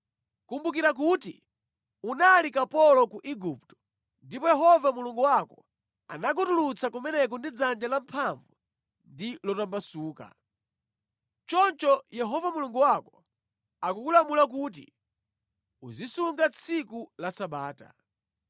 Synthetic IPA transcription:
kumbuk̬iɾak̬uti | unalikapɔlɔkuʔiɡup̚tɔ̥ | ndipɔjɛɦɔvamuluŋɡuwakɔ | a̰nak̬utulut͡sʰakumɛnɛk̬ɔndid͡zand͡ʒalampʰaɱvu | ndilɔtambasuːka̰ | t͡ʃɔnt͡ʃɔjɛɦɔvamuluŋɡuwakɔ̥ | akukulamulak̬uːt̬ḭ | uzisuŋɡat͡sʰikulasaɓaːta̰

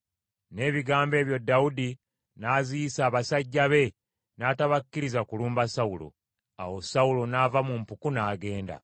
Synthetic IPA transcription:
ne̞ːβiɡaːmbe̞ːβjo̞dːaudi | naːzijisaːβasaɟːaβe̞ | naːtaβakːiɾizakuluːmbasaulo̰ | a̰wo̞saulo̞navamumpukunaːɡe̞ːnda̰

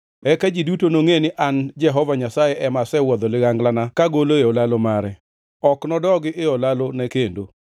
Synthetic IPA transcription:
ɛkad͡ʒidutonoŋenɪʔand͡ʒɛɦɔvaɲasajeʔɛmasɛwɔd̪ɔlɪɣaŋɡlanakaɡoloeɔlalomaɾɛ | ɔknɔdɔɡɪʔɪɔlalonɛkendo

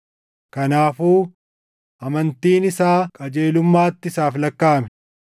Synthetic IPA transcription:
kɐnaːfuː | ʔɐmɐnt̪iːnɪsaːkʼɐd͡ʒe̞ːlʊmːaːt̪ːɪsaːflɐkːaːmɛ

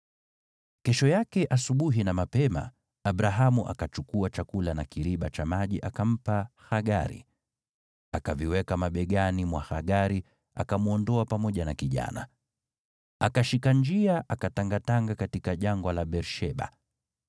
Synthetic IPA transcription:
kɛʃɔjakɛʔasuɓuɦinamapɛma̰ | aɓɾaɦamuʔa̰kat͡ʃukuat͡ʃakulanakiɾiɓat͡ʃamaʄiʔakam̩pahaɠaɾḭ | akaviwɛkamaɓɛɠanimwahaɠaɾi | a̰kamuɔndɔapamɔʄanakiʄa̰na̰ | akaʃikand͡ʒiaʔakataŋɡataŋɡakatikaʄaŋɡwalaɓɛɾʃɛɓa̰

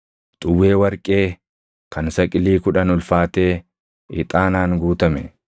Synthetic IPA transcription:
t̪ʼʊwːe̞ːwɐɾkʼe̞ː | kɐnsɐkʼɪliːkʊᶑɐnʊlfaːt̪e̞ː | ɪt̪ʼaːnaːŋɡuːt̪ɐmɛ

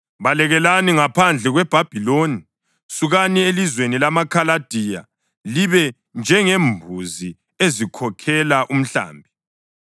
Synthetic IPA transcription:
βalɛɣɛlaniŋapʰand͡ɮʱɛɣwɛb̥ʱab̥ʱiloni | suɣanielizwenilamakʰalad̥ʱija̰ | liβɛ | nd͡ʒʱɛŋembʱuzi | ezikʰɔkʰɛlaʔum̩ɬa̰ːmbʱi

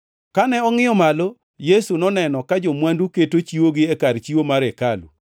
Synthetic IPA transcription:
kanɛɔŋɪɔmalo | jesunɔnɛnɔkad͡ʒomwanduketot͡ʃiwoɡɪɛkaɾt͡ʃiwomaɾekalṵ

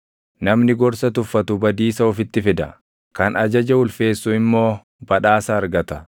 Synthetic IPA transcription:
nɐmnɪɡɔɾsɐt̪ʊfːɐt̪ʊbɐd̪iːsɐɔfɪt̪ːɪfɪd̪ɐ̰ | kɐnɐd͡ʒɐd͡ʒɐʊlfe̞ːsːuɪmːo̞ː | b̥ɐᶑaːsɐɐɾɡɐt̪ɐ

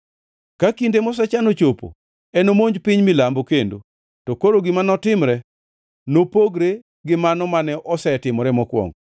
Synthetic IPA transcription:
kakindemɔs̬ɛt͡ʃanot͡ʃopo̰ | ɛnomoɲd͡ʒpɪɲmilambokendo̰ | tɔkoɾoɡɪmanɔtɪmɾɛ | nopoɡɾe | ɡɪmanɔmanɛʔɔsɛtɪmɔɾɛmɔkwɔ̰ŋ

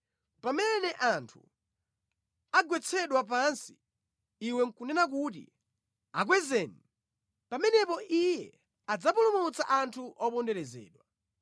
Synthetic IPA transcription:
pamɛnɛʔantʰṵ | aɡwɛt͡sʰɛɗwap̬ansi̥ | iwɛŋkunɛnak̬utḭ | ak̬wɛzɛːni | pamɛnɛpɔʔijɛ | ad͡zapulumut͡saʔantʰuʔɔpɔndɛɾɛzɛ̰ːɗwa

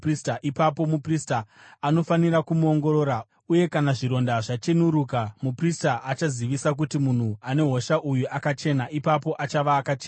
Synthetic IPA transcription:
pristaʔipapo̞muprista | ano̞faniɾakumuo̞ŋɡo̞ɾo̞ːɾa | uje̞kanaʐiɾo̞ndaʐat͡ʃenuɾukamupristaʔːt͡ʃaziʋisak̬utimun̤uane̞ɦo̞ʃaʔujuʔakat͡ʃe̞naʔipapo̞ʔat͡ʃaʋaːkat͡ʃeːna

